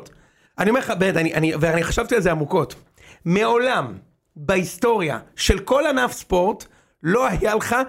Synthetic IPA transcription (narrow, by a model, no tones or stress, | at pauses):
t | ʔanime̞χabedaniʔaniveaniχaʃavtialzeamuko̞t | meo̞lam | baisto̞ʁja̰ʃe̞lko̞lanafspo̞ʁt | lo̞hajaleχa